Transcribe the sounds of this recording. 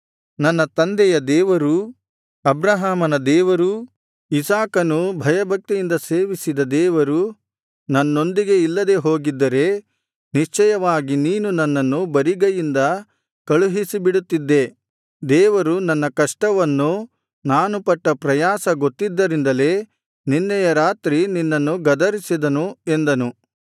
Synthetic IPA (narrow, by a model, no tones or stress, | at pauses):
nɐnːɐt̪ɐnd̪ɛjɐd̪ɛːʋɐɾu | ɐbɾɐɦaːmɐnɐd̪ɛːʋɐɾu | isaːkɐnubʱɐjɐbʱɐk̚t̪ijind̪ɐse̞ːʋisid̪ɐd̪ɛːʋɐɾu | nɐnːo̞nd̪iɡe̞ilːɐd̪e̞ɦo̞ːɡid̪ːɐɾe̞ | niʂt͡ʃɛjɐʋaːɡiniːnunɐnːɐnːubɐɾiɡɐjind̪ɐ | kɐɭuɦisibiɽut̪ːid̪ːe̞ | d̪ɛːʋɐɾunɐnːɐkɐʂʈɐʋɐnːu | naːnupɐʈːɐpɾɐjaːsɐɡo̞t̪ːid̪ːɐɾind̪ɐle̞ː | ninːɛjɐɾaːt̪ɾininːɐnːuɡɐd̪ɐɾisid̪ɐnue̞nd̪ɐnu